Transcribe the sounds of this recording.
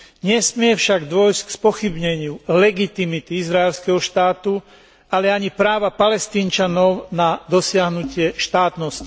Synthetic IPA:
ɲɛsmɪɛfʃaɡd̪ʋɔjsckspɔxibɲɛɲɪulɛɡit̪imit̪iizɾaɛlskɛɦɔʃt̪aːt̪u | alɛaɲipɾaːʋapalɛst̪iːnt͡ʃanɔʊnad̪ɔsɪaɦnucɪɛʃt̪aːt̪nɔsci

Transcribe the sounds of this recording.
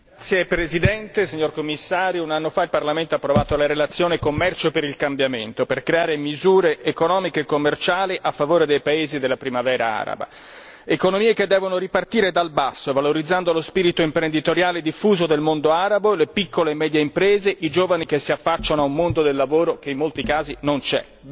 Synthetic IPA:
t̪sjepɾezid̪ɛnt̪esiɲːorkomːisːaːɾjounanːofailparlament̪oapːɾovaːt̪olaɾelat̪sːjoːnekomːɛrt͡ʃopeɾilkambjament̪operkɾeaːɾemizuːɾeʔːkonɔːmikeːkomːert͡ʃaːliʔafːavoːɾed̪ejpaeːzid̪elːapɾimavɛːɾaa̰ːɾa̰ba̰ | ekonomiːeked̪ːɛːvonoripart̪iːɾed̪albasːovaloɾid̪zːand̪olospiːɾit̪oimpɾend̪it̪oɾjaːled̪ifːuːzod̪elmond̪oaːɾabolepikːolemːɛːd̪jeimpɾeːzeʔid͡ʒoːvanik̟esːiafːat͡ʃːanoaumːond̪od̪elːavoːɾok̟eimːolt̪ikaːzinont͡ʃɛ̰

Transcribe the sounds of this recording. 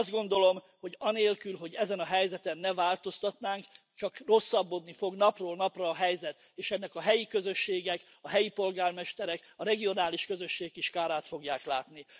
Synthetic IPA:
zd̪̚ɡo̞nd̪o̞lo̞m | ho̞ɟɒneːlkylɦo̞ɟɛzɛnɒɦɛjzɛt̪ɛnːɛvaːlt̪o̞st̪ɒt̪naːŋk | t͡ʃɒkro̞sːɒbːod̪nifo̞ɡnɒproːlnɒprɒːɦɛjzɛt̪ | eːʃɛnːɛkɒɦɛjikø̞zø̞ʃːeːɡɛk | ɒɦɛjipo̞lɡaːrmɛʃt̪ɛɾɛkɒɾɛɡijo̞naːliʃkø̞zø̞ʃːeːɡkiʃkaːɾaːt̪fo̞ɡjaːklaːt̪ni

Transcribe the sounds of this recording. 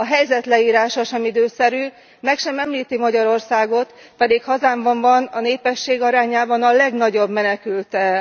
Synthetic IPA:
ɒɦɛjzɛt̪lɛiːɾaːʃɒʃɛmid̪øːsɛɾyː | mɛkʃɛmɛmliːt̪imɒɟɒɾo̞rsaːɡo̞t̪ | pɛd̪ikhɒzaːɱbɒɱvɒnɒneːpɛʃːeːɡɒɾaːɲaːbɒnɒlɛɡnɒɟo̞bmɛnɛkylt̪ɛ

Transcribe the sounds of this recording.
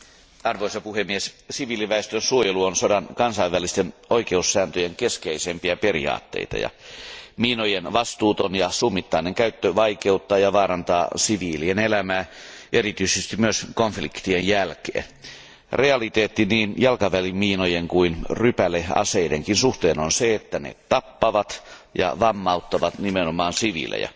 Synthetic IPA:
ɑrʋoisɑpuhemːiessiʋiːliʋæest̪ønsuojeluonsodɑnkɑnsɑiʋːælist̪enoikeusːæːnt̪øjeŋkeskeisempiæperḭɑ̰ːt̪ːḛit̪ɑ̰jɑ̰miːnojenʋɑst̪uːt̪onjɑsumːit̪ːɑineŋkæyt̪ːøʋɑikeut̪ːɑːjɑʋɑːɾɑnt̪ɑːsiʋiːlienelæmæːʔerit̪yisest̪imyøskonflikt̪iejjælkḛːn | reɑlit̪eːt̪ːiniːnjɑlkɑʋælimmiːnojeŋkuinrypæleɑ̰seideŋkinsuht̪eːnonseet̪ːænḛt̪ɑpːɑʋɑt̪ | jɑ̰ʋɑmːɑut̪ːɑʋɑt̪nimenomɑːnsiʋḭlʔḛjæ̰

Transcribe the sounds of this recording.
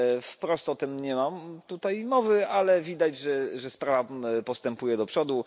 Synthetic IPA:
fpɾɔst̪ɔt̪ɛmɲɛmamt̪ut̪ajmɔvɘalɛvʲid̪ad͡ʑʐɛʐɛspɾavapɔst̪ɛmpujɛd̪ɔpʂɔd̪u

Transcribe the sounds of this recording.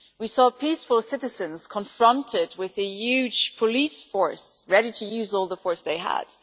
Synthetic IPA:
wisɔpʰisfəl̩ˠsɪɾɨzɨ̃nz̥kʰə̃ɱfɹʌ̃ntʰɪd̚wɪðɨjʉ̥ʒ̥pʰəlisfɔɹsɹɛɾiɾɨjʉzɔlˠðəfɔɹsðeɪə̰d̥

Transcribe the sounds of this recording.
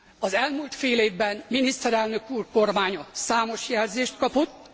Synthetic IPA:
ɒzɛlmuːlt̪feːleːvbɛnminist̪ɛɾɛlnøkuːrko̞rmaːɲɒsaːmo̞ʃjɛlzeːʃt̪̚kɒpo̞t̪ː

